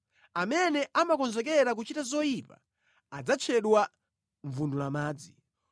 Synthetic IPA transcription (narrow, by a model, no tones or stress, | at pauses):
amɛnɛʔamakɔnzɛk̬ɛɾak̬ut͡ʃitazɔipa̰ | ad͡zat͡ʃʰɛɗwa | ɱvundulamaːd͡zi